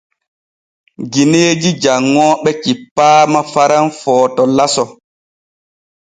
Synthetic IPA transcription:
ɡineːd͡ʒid͡ʒaŋːɔːɓɛkipːaːmafaɾanfɔːtɔlasɔ

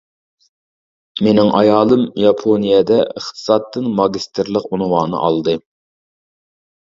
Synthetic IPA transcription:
menɪŋʔɑjɑːlˠɨmjɑpʰonijɛd̪ɛʔəχt̪ʰɨ̥sɑt̪ːɨnmɑɡʲist̪ʰɪɾlˠəqunwɑːnɨ̰ʔɑlˠd̪ɨ

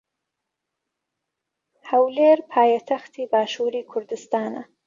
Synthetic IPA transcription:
hɐwleːɾpʰaːjat̪ʰɐxt̪ʰiːbaːʃuːɾiːkʰʊɾd̪ɨst̪aːnɐ̰

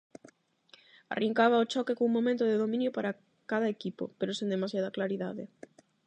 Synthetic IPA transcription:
a̰rʔiŋkaβaot͡ʃɔkekõuŋmomẽnt̪ʊðeðomĩnjopaɾa | kaðɐekipo̰peɾosend̪emasjaðɐklaɾiðaðɪ̰

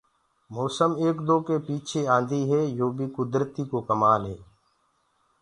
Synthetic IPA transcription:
moːsəmeːkd̪oːkeːpiːt͡ʃʰeãːnd̪ʱiːɦɛːjoːbʱiːkʊd̪ɾət̪iːkokəmaːlɦeː

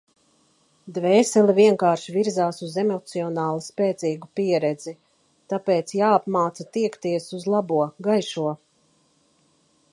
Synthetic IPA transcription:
d̪vɛːsɛliviɛŋkaːɾʃiviɾzaːsuzemɔt̪siɔnaːlˠispɛːt̪siːɡupiɛɾɛd̪z̥i | t̪apɛːt̪sjaːapmaːt̪sat̪iɛkt̪iɛsuzlˠabuɔɡajʃuɔ

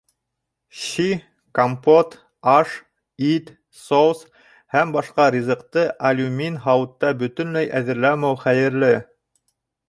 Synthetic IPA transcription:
ɕi | kompot̪ | ɑʃ | it̪ | sows | hæmbɑʃqɑɾʲizɤ̆qt̪ɤʔɐlʲumʲinɦɑwɤ̆t̪ːɑbɵ̆t̪ɵ̆nlæjʔæðɘ̆ɾlæmæwχæjɘ̆ɾlɘ

